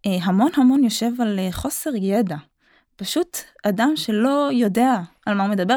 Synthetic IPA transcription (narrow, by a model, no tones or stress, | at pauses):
ɦamo̞nɦamo̞njo̞ʃe̞valeχo̞se̞ʁjed̪a | paʃut | ad̪amʃe̞lo̞jo̞de̞aalmahumed̪abe